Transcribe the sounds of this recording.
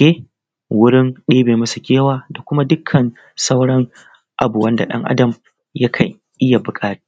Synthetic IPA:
eː˦ | wʊ˦ɽɪ˦nɗeː˦beː˨mɐ˦su˨kʲeː˦waː˦da˨kʷʊ˦ma˦dʊ˦kʰːɐ˨n | sa˦wɽɐ˦ŋ | ʔa˨bu˨wɐ˦nda̰˨ɗɐ̰˦ŋʔa̰˦dɐ˨m | jɐ˦kʰɐ˨ŋ | ʔɪ˦ja˨bʊ˨kʼaː˦ta˦

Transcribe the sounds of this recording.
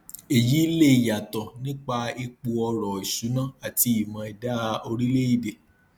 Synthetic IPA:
e˨ji˨˦le˦˨ja˨tɔ˨nĩ˦k͡pa˧i˧k͡pu˧ɔ˧ɾɔ˨i˨su˨˦nã˦˨a˨ti˧i˨mã˨i˨da˦˧o˧ɾi˦le˦i˦˨de˧

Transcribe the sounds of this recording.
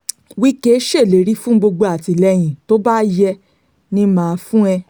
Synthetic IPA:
wi˦ke˦ʃe˦˨le˨˦ɾi˦fũ˦ɡ͡bo˧ɡ͡bo˧a˨ti˨lɛ˧j̃ĩ˨to˦ba˦jɛ˧ | nĩ˦mãː˨˧˦fũ˦ɛ˧

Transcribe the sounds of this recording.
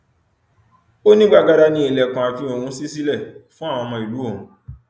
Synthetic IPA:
o˦nĩ˦ɡ͡ba˧ɡa˧ɾa˧nĩ˧˦e˨lɛ˨kã˨a˨fĩ˧˦o˨hũ˧˦si˦si˦lɛ˦˨fũ˦a˦˨w̃ɔ̃˧mã˧i˨lu˨˦õ˦˨ũ˨˦

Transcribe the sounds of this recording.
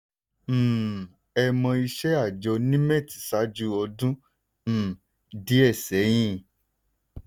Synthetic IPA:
ɛ˧mɔ̃˧i˧ʃɛ˦a˦˨d͡ʒɔ˧nĩ˦mɛ̃˦˨ti̥˨˦sa˨˦d͡ʒu˦ɔ˧dũ˦˨ | di˨˦ɛ˦˨sɛ˨˦j̃ĩ˦˨

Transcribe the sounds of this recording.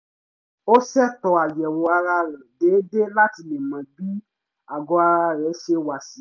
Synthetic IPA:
o˦ʃɛ˦tɔ˧a˨jɛ˨wo˨a˧ɾa˧ɾɛ̃˨de˨˦de˦la˦ti˧nɛ̃˨mã˨bi˦ | a˨ɡɔ˧a˧ɾa˧ɾɛ˨˦ʃe˧wa˨si˨˦

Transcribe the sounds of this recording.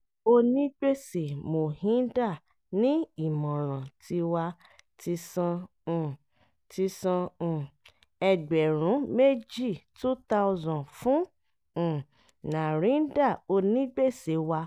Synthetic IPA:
o˧nĩ˦ɡ͡be˦˨se˨mo˨hĩ˨˦da˦˨ | nĩ˦i˦˨mɔ̃˨ɾ̃ã˨tʰi˧wa˧ | ti˧sã˧˨ | tʰi˧sã˧˨ | ɛ˧ɡ͡bɛ˨ɾ̃ũ˨˦me˦d͡ʒi˦˨tu˦ta˧ɔ˧zɔ̃˨fũ˦˨ | nã˨ɾ̃ĩ˨˦da˦˨o˧nĩ˦ɡ͡be˦˨se˨˦wa˧

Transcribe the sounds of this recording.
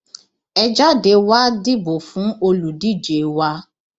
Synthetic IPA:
ɛ˦d͡ʒa˦de˨˦wa˦di˦bo˨fũ˨˦o˧lu˨di˦˨d͡ʒe˨wa˦

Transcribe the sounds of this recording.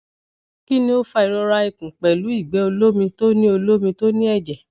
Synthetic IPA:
ki˦nĩ˧o˦fa˧i˨˧ɾɔ˧ɾa˧i˨kũ˨k͡pɛ˨lu˨˦i˦˨ɡ͡bɛ˨˦o˧lo˦mĩ˧to˦nĩ˦o˧lo˦mĩ˧to˦nĩ˦ɛ˦˨d͡ʒɛ˨

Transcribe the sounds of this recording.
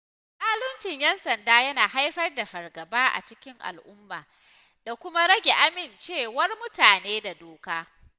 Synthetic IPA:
saː˦lʊ˦nt͡ʃɪ˨ɲjɛ˦nsɐ˨ndaː˦jɐ˦naː˨ha˦jɸɐ˦rda˨ɸɐ˨rɡɐ˨baː˦ʔa̰˨t͡ʃɪ˦kʲɪ˦ŋʔa̰˨lʔʊ˦mːaː˨ | d̥a˨kʷʊ˦ma˦ɾɐ˦ɡʲe˨ʔa˦mɪ˨nt͡ʃeː˦˨wɐ˦rmʊ˦taː˨neː˦da˨doː˦kaː˦

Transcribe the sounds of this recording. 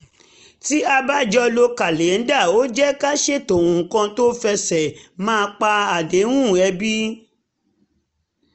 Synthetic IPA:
ti˦a˧ba˦˨d͡ʒɔ˦lo˧ka˨le˨n̩˦da˦˨o˦d͡ʒɛ˦ka˦ʃe˦˨to˨ũ˨kã˧to˦fɛ˧sɛ˨mãː˦˧k͡pa˧a˨de˨˦wũ˦˨ɛ˧bi˦

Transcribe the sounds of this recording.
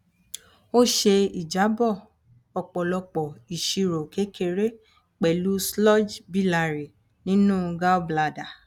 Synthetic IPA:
o˦ʃe˧i˨d͡ʒa˨˦bɔ˦˨ | ɔ˧k͡pɔ˨lɔ˧k͡pɔ˨i˨ʃi˧ɾo˨ke˨˦kʰe˧ɾe˦ | k͡pɛ˨lu˦slɔ˦d͡ʒbi˦˨la˧˨ɾi˨ | nĩ˦nũː˦ɡa˦bla˧˨da˨

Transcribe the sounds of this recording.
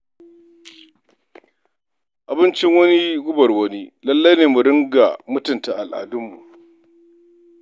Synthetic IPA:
ʔa˨bɪ˦nt͡ʃɪ˦ŋwɐ˦ni˦ɡʷʊ˦bɐ˨rwɐ˦niː˦lɐ˦lːɐ˦jneː˨mu˨ɽɪ˦ŋɡa˨mʊ˦tʊ˨nta˨ʔa˨lʔa̰ː˨dʊ˦mːṵ˨ʔ

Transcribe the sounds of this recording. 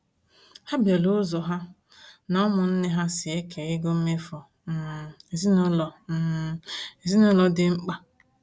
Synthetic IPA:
ha˦bje˨lo˦zɔ˨ɦa˦ | nɔ˦mʊ˨n̩˦ne˦ɦa˦sɪ˨e˦kʰe˨ɣɪ˦ɡo˦m̩˦me˦fɔ˨ | m̩˦˨e˨zi˦nɔ˦lɔ˨m̩˦˨e˨zi˦nɔ˦lɔ˦dɪ˦ŋ͡m̩˦k͡pa˨

